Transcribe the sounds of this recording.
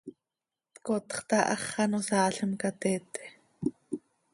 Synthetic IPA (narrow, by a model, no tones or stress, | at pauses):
t̪kot̪χt̪ɑʔɑχːɑnosɑːɬəmkat̪ɛːt̪e̥